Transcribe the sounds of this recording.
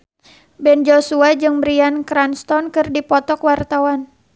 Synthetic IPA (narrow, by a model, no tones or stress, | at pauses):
bɛnd͡ʒosuad͡ʒɨŋmɾiankɾanst̪ɔnkɨrdipɔt̪ɔkwart̪awan